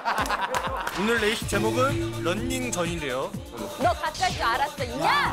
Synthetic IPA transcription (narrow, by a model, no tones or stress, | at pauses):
unɯɭːeiɕʰi̥t͡ɕ͈e̞moɡɯnɾʌnːiŋt͡ɕʌɲinde̞jo | ʌkat̚k͈as͈oaɾas͈ʌiɲa